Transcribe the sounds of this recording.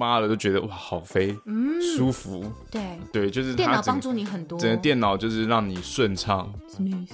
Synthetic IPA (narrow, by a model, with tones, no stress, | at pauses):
ma˦˥lə˨˩t̪o˥ʊt͡ɕɥɛ˧˥d̪ə̰˧˨ʔwa˥˩xɑ˨˩ʊfe˥ɪsu˦fu˨˧˦ | e˥˩t̪we˥˩ɪt͡ɕjo˥˧ʊʂɻ̩ʰ˥˩˥a˥˨˩ə˨ɑ˥ŋ˥ʈ͡ʂu˥˩ni˧˥xə˨˩nt̪wɔ˥ə˨˩nə˦t̪jɛ˥˩nɑ˨˩ʊt͡ɕjo˥˧ʊʂɻ̩˥˧ɻɑ˥˨˩ŋni˨˩ʂwə˥˧nʈ͡ʂʰɑ˥˩ŋ